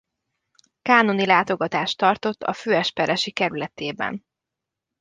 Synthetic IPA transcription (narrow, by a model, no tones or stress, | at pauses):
kaːno̞nilaːt̪o̞ɡɒt̪aːʃt̪ɒrt̪o̞t̪ːɒ̰føːɛʃpɛɾʔɛʃikɛɾylɛt̪eːbɛ̰n